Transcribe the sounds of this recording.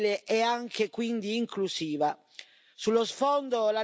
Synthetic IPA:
leʔɛaŋkekwind̪iːŋklusiːva | sulːosfɔnd̪ola

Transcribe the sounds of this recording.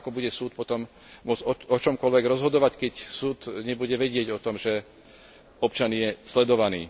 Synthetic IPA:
kɔbuɟɛsuːt̪̚pɔt̪ɔm | mʊɔt͡sɔɔt͡ʃɔmkɔlʋɛɡɾɔzɦɔd̪ɔʋackɛcsuːt̪ɲɛbuɟɛʋɛɟɪɛɟɔt̪ɔmʒɛ | ɔp̚t͡ʃanɪjɛslɛd̪ɔʋanḭː

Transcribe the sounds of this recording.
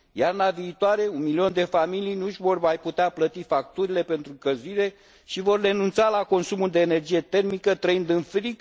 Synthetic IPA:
jarnaviːt̪oaɾe̞unmilio̞nd̪e̞familijnuʒʲvo̞rmajput̪eaplət̪ifak̚t̪uɾile̞pe̞nt̪ɾukəziɾe̞ | ʃivo̞rːe̞nunt̪salako̞nsumuld̪e̞ːne̞rd͡ʒije̞t̪e̞rmikət̪ɾəind̪ɨnfɾik

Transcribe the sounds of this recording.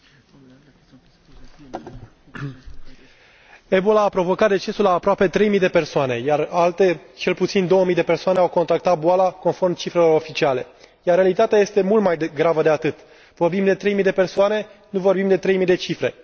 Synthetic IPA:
e̞bolaːpɾo̞vo̞kat̪̚d̪e̞t͡ʃe̞sulaːpɾoape̞t̪ɾe̞jmijd̪e̞pe̞rsoane̞jaralt̪et͡ʃe̞lput̪sind̪o̞wəmijd̪e̞pe̞rsoane̞awko̞nt̪ɾak̚t̪at̪̚boalako̞nfo̞rmt͡ʃifɾe̞lo̞ɾo̞fit͡ʃiale̞jarːealit̪at̪eaje̞st̪e̞mult̪maj̪ɡɾavəd̪e̞at̪ɨt̪ | vo̞rbimd̪e̞t̪ɾe̞jmijd̪e̞pe̞rsoane̞nuvo̞rbimd̪e̞t̪ɾe̞jmid̪e̞t͡ʃifɾe̞

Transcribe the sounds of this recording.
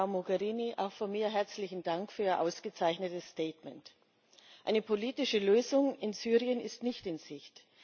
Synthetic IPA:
aʊmoɡɛʁiːniʔa̰ʊxfoɐmiːɐɦɛɐt͡slɪçn̩daŋkfyːɐiːɐʔaʊsɡ̥ət͡saɪçnətəsːtɛːtmɛnt | ʔaɪnəpʰoliːtɪʃəløːzʊŋɪnzyːʁiənɪstnɪçtɪnz̥ɪçt

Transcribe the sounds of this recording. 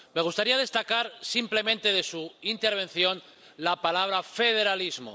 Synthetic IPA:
me̞ɣ̞ust̪aɾiaðe̞st̪akaɾsimple̞mẽ̞nt̪e̞ðe̞suint̪e̞ɾβ̞e̞n̟θjo̞n | lapalaβ̞ɾafe̞ð̞eɾalizmo̰

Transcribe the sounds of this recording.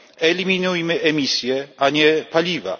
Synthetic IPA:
eliminujmɪʔemisjeaɲepaliva̰

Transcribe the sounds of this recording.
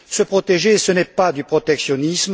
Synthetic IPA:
səpχɔt̪eʒesənɛpad̪ypχɔt̪ɛksjɔnism

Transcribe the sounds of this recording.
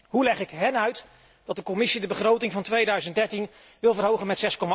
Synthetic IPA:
ɦulɛχɪkɦɛnœɥt | d̥ɑt̚dəkɔmɪsidəbəχrowtɪŋvɑntʋejdœɥzəntdɛɹtin | ʋɪlˠvərɦowχənmɛtsɛskɔma

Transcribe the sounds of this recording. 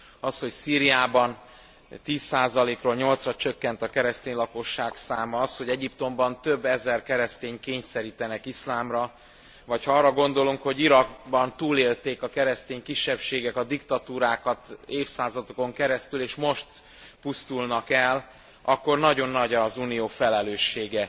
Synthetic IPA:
ɒsho̞csiːɾijaːbɒn | t̪iːsːaːzɒleːkroːlɲo̞lt̪srɒt͡ʃøkːɛnt̪ɒkɛɾɛst̪eːɲlɒko̞ʃːaːksaːmɒɒsho̞ɟɛɟipt̪o̞mbɒnt̪ø̞bːɛzɛrkɛɾɛst̪eːɲkeːɲsɛɾiːt̪ɛnɛkislaːmrɒ | vɒchɒɒːrːɒɡo̞nd̪o̞luŋkho̞ɟiɾɒɡbɒnt̪uːleːlt̪eːkɒkɛɾɛst̪eːɲkiʃːɛpʃeːɡɛkɒd̪ikt̪ɒt̪uːɾaːkɒt̪eːfsaːzɒd̪oko̞ŋkɛɾɛst̪yleːʃmo̞ʃt̪ | pust̪ulnɒkɛl | ɒkːo̞rnɒɟo̞nːɒɟɒzuːnijoːfɛlɛløːʃːeːɡɛ

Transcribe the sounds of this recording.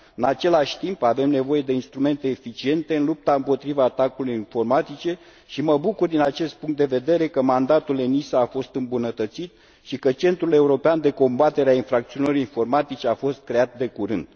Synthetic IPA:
ɨnat͡ʃe̞laʃʲt̪impave̞mne̞vo̞je̞d̪e̞inst̪ɾume̞nt̪e̞ːfit͡ʃie̞nt̪e̞ɨnlup̚t̪aɨmpo̞t̪ɾivaːt̪akulujinfo̞rmat̪it͡ʃe̞ | ʃiməbukurd̪inat͡ʃe̞st̪̚puŋkt̪d̪e̞ve̞d̪e̞ɾe̞kəmand̪at̪ule̞nisaːfo̞st̪ɨmbunət̪ət̪sit̪ | ʃikət͡ʃe̞nt̪ɾule̞uɾo̞peand̪e̞ko̞mbat̪e̞ɾeainfɾak̚t̪siunlooinfo̞rmat̪it͡ʃeafo̞st̪̚kɾe̞at̪̚d̪e̞kuɾɨnd̪̥

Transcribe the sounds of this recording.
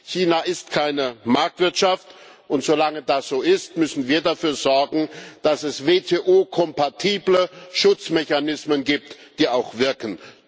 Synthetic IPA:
çiːnaʔɪstkʰaɪnəmaɐk̚tv̥ɪɐtʃaft | ʔʊntz̥olaŋədasz̥oːɪstmʏsn̩viːɐdafyːɐzɔɐɡŋ̩d̥asɛsveːtʰeːʔoːkʰɔmpatʰiːbləʃʊt͡smɛçanɪsmənɡiːp̚td̥iːaʊxv̥ɪɐkən

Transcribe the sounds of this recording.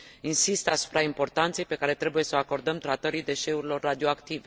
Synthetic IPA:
insist̪asu̥pɾaimpo̞rt̪ant̪se̞jpe̞kaɾe̞t̪ɾe̞buje̞səako̞rd̪əmt̪ɾat̪əɾid̪e̞ʃe̞uɾilo̞rːad̪ioakt̪ive̞

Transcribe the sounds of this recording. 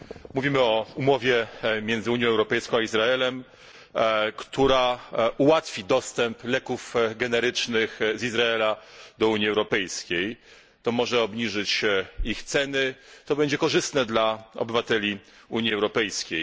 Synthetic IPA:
muvʲimɘɔumɔvʲjɛmʲjɛnzɘuɲjɔ̃wɛwɾɔpɛjskɔ̃w̃aizɾaɛlɛm | kt̪uɾauwat̪fʲid̪ɔst̪ɛmplɛkufɡɛnɛɾɘt͡ʂnɘxzizɾaɛlad̪ɔuɲiɛwɾɔpɛjskʲej | t̪ɔmɔʐɛɔbɲiʐɘt͡ɕixt̪sɛnɘt̪ɔbɛɲd͡ʑɛkɔʐɘst̪nɛd̪laɔ̰bɘvat̪ɛlʲi | uɲiɛwɾɔpɛjskʲej

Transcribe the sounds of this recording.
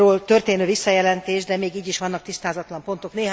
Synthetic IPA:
oːlt̪ø̞rt̪eːnøːvisːɒjɛlɛnt̪eːʒd̪ɛmeːɡiːɟiʃʋɒn̪ːɒkt̪ist̪aːzɒt̪lɒmpo̞nt̪o̞kneːɦ

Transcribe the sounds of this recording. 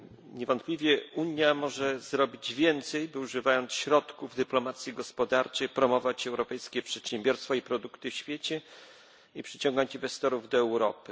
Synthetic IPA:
ɲɛvɔnt̪̚pʲlʲivʲjɛuɲjamɔʐɛzɾɔbʲid͡ʑvʲjɛnt̪sɛjbɨuʐɘvajɔnt̪sɕɾɔt̪kuvd̪ɘplɔmat̪sʲjiɡɔspɔd̪aɾt͡ʂɛjpɾɔmɔvat͡ɕɛwɾɔpɛjskʲɛpʂɛt̪ɕɛmbʲjɔɾst̪faipɾɔd̪ukt̪ɘfɕfʲjet͡ɕɛ | ipʂɘt͡ɕɔ̃ŋɡaɲt͡ɕinvɛst̪ɔɾuvd̪ɔɛwɾɔpɘ

